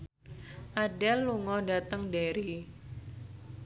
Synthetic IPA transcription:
ʔaɖɛlːuŋɔdat̪əŋdeɾi

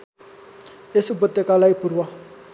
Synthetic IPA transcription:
esɪbʊtʼɛkʼalaipʼurua

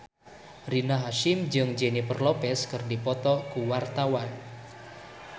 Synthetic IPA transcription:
rinaɦaʃɪmd͡ʒɨŋd͡ʒenipərlɔpɛskɨrdipɔt̪ɔkuwart̪awan

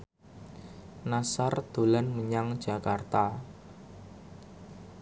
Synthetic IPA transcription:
nasard̪̥o̤lanməɲaŋd̥d͡ʒ̥a̤kart̪a

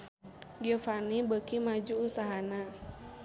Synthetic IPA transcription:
ɡiɔfanibəkimad͡ʒuːsaɦana

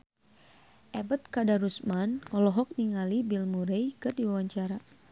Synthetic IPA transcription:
ʔɛbət̪̚kadaɾusmanɔlɔɦɔk̚niŋalibilmuɾejkɨrdiwawaɲt͡ʃaɾa

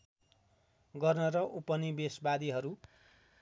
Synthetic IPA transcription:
ɡʌrnʌɾʌʔupʌnibesbad̪iɦʌɾu

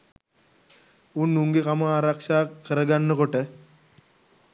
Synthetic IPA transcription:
unːuŋɡekamaaːɾakʂaːkəɾəɡanːəkoʈə

